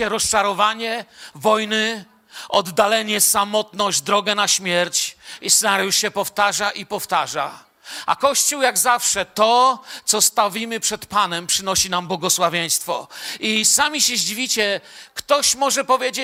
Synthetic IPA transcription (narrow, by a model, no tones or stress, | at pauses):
ɛɾɔst͡ʂaɾɔvaɲɛvɔjnɘ | ʔɔd̪ːalɛɲɛsamɔt̪nɔʑd͡ʑd̪ɾɔɡɛnaɕmʲjɛɾt͡ɕisnaɾjuʂɕɛpɔft̪aʐaʔipɔft̪aʐa | ʔa̰kɔɕt͡ɕuwjaɡzafʂɛt̪ɔt̪sɔst̪avʲimɘpʂɛt̪panɛmpʂɘnɔɕinambwɔɡɔswavʲjej̃st̪fɔ̰isamʲiɕɛʑivʲit͡ɕɛkt̪ɔɕmɔʐɛpɔvʲjed͡ʑe